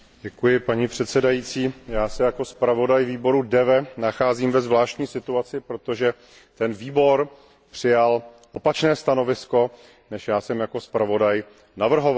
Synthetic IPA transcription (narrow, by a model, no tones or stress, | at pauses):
ɟɛkujɪpaɲiːpr̝̥ɛt̪sɛdajiːt͡siːjaːsɛjako̞spɾavo̞dajviːbo̞ɾudɛvɛnaxaːziːmvɛzvlaːʃc̪ɲiːsɪt̪uat͡sɪpɾo̞t̪o̞ʒɛ | t̪ɛnviːbo̞ɾ | pr̝̥ɪjal | ʔo̞pat͡ʃnɛːst̪ano̞vɪsko̞ | nɛʃjaːsɛmjako̞spɾavo̞daj | navr̩ɦo̞v